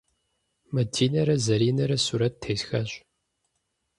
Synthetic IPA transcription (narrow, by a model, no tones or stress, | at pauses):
mɐdʰiːnɐɾɐzɐɾiːnɐɾɐsuɾɐttʰːeːsxɐɕʼ